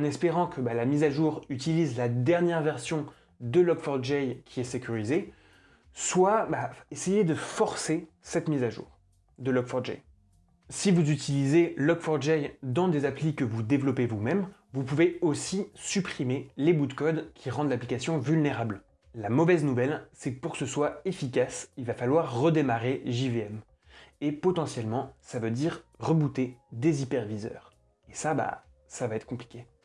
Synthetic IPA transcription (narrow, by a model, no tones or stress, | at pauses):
ɑ̃nɛspeʁɑ̃kʰəbalamizaʒuːʁyt̪ilizlad̪ɛʁnjɛʁvɛʁsjɔ̃ | d̪əlɔkfɔʁd̪ʒɛjkʲʰiɛsekʲyʁize | swabaesejed̪əfɔʁse | sɛt̪mizaʒṵːʁ | d̪əlɔkfɔʁd̪ʒɛ̰j | sivuzyt̪ʰilizelɔkfɔʁd̪ʒɛjd̪ɑ̃d̪ezaplikəvud̪evlɔpevumɛm | vupuveosisypχimelebud̪kɔd̪kʲʰiʁɑ̃d̪laplikʲasjɔ̃vylneʁabl | lamɔvɛznuvɛlsɛkəpuʁkə̥səswaefikʲasilvafalwaʁːəd̪emaʁeʒiveɛm | epɔt̪ɑ̃sjɛlmɑ̃savød̪iʁʁəbut̪ed̪ezipɛʁvizœ̰ːʁ | esaba̰ | savaɛt̪χəkɔ̃pli̥kʲe